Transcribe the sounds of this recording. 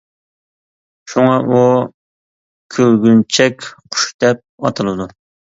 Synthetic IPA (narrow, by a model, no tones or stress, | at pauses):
ʃuŋɑʔu | kʲʰølɡʲynt͡ʃʰɛkʲqʰʊ̥ʃd̪ɛp̚ɑt̪ʰɨlˠɨd̪u